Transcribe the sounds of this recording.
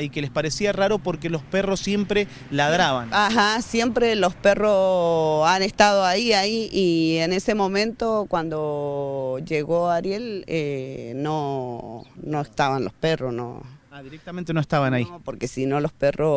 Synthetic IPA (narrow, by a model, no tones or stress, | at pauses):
ikelespaɾesiaraɾopo̞ɾkelo̞sperosje̞mpɾe | laðɾaβanaxasje̞mpɾe̞lo̞spe̞ro | anest̪aðoaiaiiene̞se̞mo̞mẽnt̪o̞kwand̪o̞ | d͡ʒeɣo̞aɾje̞leno | no̞est̪aβanlospe̞rosno̰aðiɾek̚t̪amẽnt̪enoest̪aβanaipo̞ɾke̞sino̞lo̞spe̞rʔo